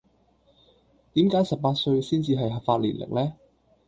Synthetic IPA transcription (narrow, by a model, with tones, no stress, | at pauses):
t̪iː˨˥mkaː˨˥jsɐ˨p̚paː˧t̚sɵ˧ɥsiː˥nt͡siː˨ɦɐ˨jɦɐ˨˩pfaː˧t̚lḭ˨˩nlʔɪ̰˨k̚lɛː˥